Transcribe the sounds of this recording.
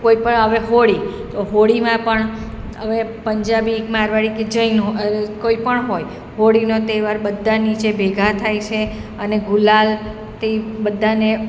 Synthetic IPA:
koipəɳɦəʋeɦoɭit̪oɦoɽimãpəɳ | əʋepəɲd͡ʒabikmaɾʋaɽiked͡ʒəinukoipəɳɦoj | ɦoɽinot̪eʋaɾbəd̪ʱːanit͡ʃebʱeɡʱat̪ʰajt͡ʃʰeəneɡulal | t̪ebəd̪ʱːane

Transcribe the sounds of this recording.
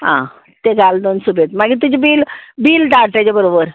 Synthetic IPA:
ɦã̰ | t̪eɡald̪onsubet̪maɡit̪ud͡ʑibiːlbiːlʈaɽʈat͡ɕebəɾobəɾ

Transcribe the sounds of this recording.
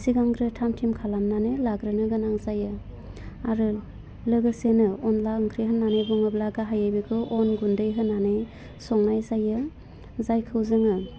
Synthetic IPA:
siɡaŋɡɾɯtʰamtʰimkʰalamnanɯlaɡɾɯnɯɡɯnaŋzajɯ | aɾɯ | lɯɡɯsenɯɔnlaɯŋkʰɾiɦɯnːanebuŋɯblaɡaɦajebekʰɯʔɔnɡundɯjɦɯnːanɯj | sɔŋnajzajɯ | zajkʰɯwzɯŋɯ

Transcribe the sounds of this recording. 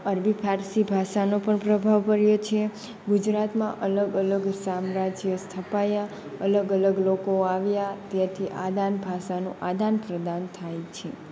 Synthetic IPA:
əɾbipʰaɾsibʱaʃanopəɳpɾəbʱaʋkəɾjot͡ʃʰe | ɡud͡ʒɾat̪mã̰ʔələɡələɡsamɾad͡ʒjəst̪ʰəpaja | ələɡələɡlokoaʋjat̪jat̪ʰiʔad̪anbʱaʃanṵ̃ʔad̪anpɾəd̪ant̪ʰajt͡ʃʰe

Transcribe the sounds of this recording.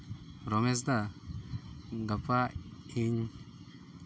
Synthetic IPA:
ɾomes̬d̪a | ɡapaiɲ

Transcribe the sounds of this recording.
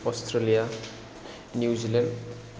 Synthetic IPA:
ɔstʰɾelija | njuzilend

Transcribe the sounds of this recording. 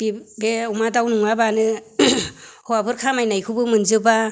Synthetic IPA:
b̥ibeumadawnuŋabanɯ | hɔwabɯɾkʰamajnajkʰɯbɯmɯnzɯba

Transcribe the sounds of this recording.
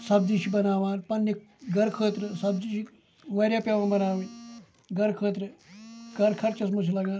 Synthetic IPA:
sɐbd͡ziʃibɐnaːʋaːnpɐnːi | ɡɐɾkʰəːt̪ɾəsɐbd͡ziʃi | ʋɐɾʲjaːpʲaʋãnbɐnaːʋin | ɡɐɾkʰəːt̪ɾəɡɐɾkʰɐɾt͡ʃɐsmɐt͡ʃʰilaɡãːn

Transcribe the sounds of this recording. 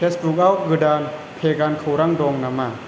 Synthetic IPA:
esbuk̚awɡɯdaːn | pʰeːkaːnkʰawɾaŋdoːŋnamːaː

